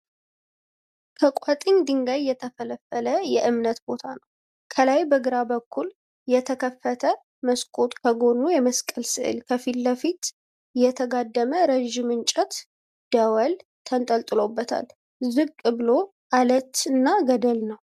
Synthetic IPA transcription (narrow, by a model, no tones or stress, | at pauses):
kʰəkʼwat̪ʼɨɲd̪ɨŋɡajːɛt̪ʰəfələfːələjɛʔɨmnət̪bo̞t̪ʰanəw | kʰəlajbəɡɨɾabəkʰːul | jɛt̪ʰəkʰəfːət̪ʰə | məskʼo̞t̪ʼkʰəɡo̞nːujɛməskʼəlsɨʔɨ̰lkʰəfilːəfit̪ | jɛt̪ʰəɡad̪ːəməɾəʒɪmɨnt͡ʃʼɛt̪ | d̪̥əwəlt̪ʰənt̪ʼəlt̪ʼɨlo̞bːət̪ʰa̰l | zɨɡkʼɨβɨlo̞ | ʔalət̪ɨnːaɡəd̪əlnəw